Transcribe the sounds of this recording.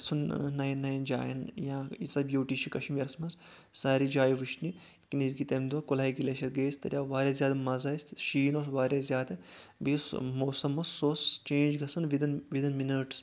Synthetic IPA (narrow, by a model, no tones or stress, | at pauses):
sʰunnːɐjnːɐjɐnd͡ʒa̰ːjɐ̰njãːisɐbjoːʈiːʃʰikɐʃimjɐɾsmɐz | saːɾid͡ʒaːjiʋɨʃni | kinizɡit̪emd̪uʋɐkolaːiɡilʲeʃɐɾɡeːst̪ɐ̰ɾʲjaːʋaːɾʲaːzʲjaːd̪ɐmɐzɐsʃiːnoːsʋaːɾʲjazʲjaːd̪ɨbiːsmoːsɐmossost͡ʃẽːnd͡ʒɡɐsɐnʋid̪inʋid̪inminɐʈs